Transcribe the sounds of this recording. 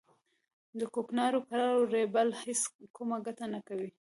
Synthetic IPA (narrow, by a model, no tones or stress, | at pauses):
d̪əkoknɑɾokaɾɑɾoɾebalheskumaɡat̪anakawi